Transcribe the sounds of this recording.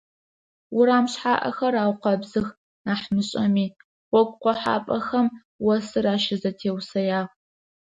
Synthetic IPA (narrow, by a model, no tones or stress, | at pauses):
wʊɾaːmɕħaːʔɐ̰xɐɾaːwqɐbzɨx | naːħmɨɕʼɐmiː | wʷɔɡʷʼqʷɔħa̰ːpʼɐxɐm | wɐsɨɾaːʃɪzɐtʰeːwsɐjaːʁ